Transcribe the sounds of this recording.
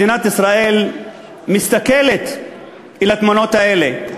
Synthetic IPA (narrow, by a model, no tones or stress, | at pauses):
inat̪isɾaːʔeːl | mɪst̪akelet̪ | ʔɪlat̪manoːt̪aʔeːle